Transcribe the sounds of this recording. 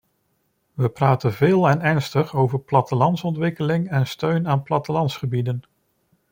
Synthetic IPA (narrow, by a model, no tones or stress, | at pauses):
ʋəpraːtənvɪːlˠɛnɛɹnstəχowvəɹplɑtəlɑntsɔntʋɪkəlɪŋɛnstøɥnaːnplɑtəlɑntsχəbidən